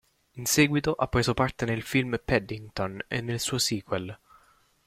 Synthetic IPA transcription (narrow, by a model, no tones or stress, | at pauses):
insɛːɡwit̪oʔapːɾeːzopart̪enelfilmpɛd̪iŋt̪onḛnːelsuːosiːkwel